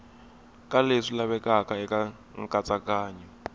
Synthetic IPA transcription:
kʼaleʂilaβɛkʼakʼaɛkʼa | ŋ̩kʼat͡sʼakʼaːɲɛ

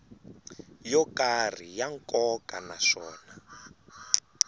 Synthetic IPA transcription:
jɔkar̤ijaŋkɔkʼanaʂɔːna

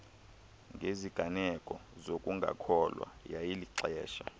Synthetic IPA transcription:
ŋɡʱeziɡ̥ʱanɛkʼɔzokʼuŋɡʱa̰kʰɔlwa̰jajiliǀɛːʃa̰

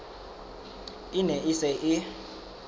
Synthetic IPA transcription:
inɛʔisɛʔɪ

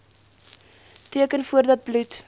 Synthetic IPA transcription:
tiəkənfuərdɐt̚blʉt

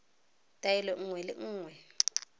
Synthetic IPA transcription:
tʼajɛlɛŋ̩ŋwɛlɪ̰ŋ̩ːŋwɛ

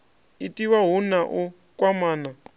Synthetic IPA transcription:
itʼiwaɦunaʔu | kʼwamaːna

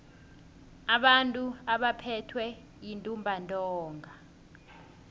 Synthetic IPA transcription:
aɓantʼuaɓapʰɛtʰwɛ | jintʼumbʱantʼɔːŋɡʱa

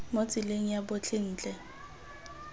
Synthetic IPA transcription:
mot͡sʼɪleŋ̩jabʊt͡ɬʰɪn̩ːt͡ɬʼɛ

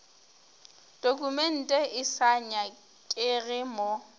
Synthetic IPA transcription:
d̥okʼumɛn̩tʼɛɪsaɲa | kʼɪɣɪmɔ

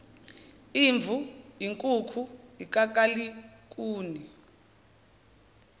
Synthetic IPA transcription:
iɱb̪vʱuiŋkʼukʰuik̬ʼak̬ʼalik̬ʼuːni

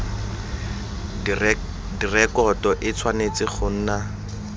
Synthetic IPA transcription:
dirɛkɔtɔʔɪt͡sʰwanet͡sɪχʊn̩ːna

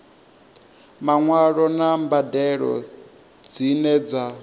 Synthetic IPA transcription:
maŋwaɺɔnambadɛɺɔ̰ | d͡zinɛd͡za

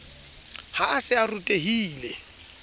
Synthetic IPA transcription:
haasɪarutʼeɦiːlɛ

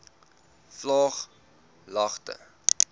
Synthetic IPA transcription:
flɑːχ | lɐχtə̰

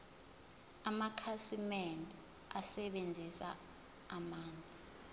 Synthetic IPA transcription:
amakʰasimɛndʱi | asɛɓend͡zʱisa̰ː | maːnd͡zʱi

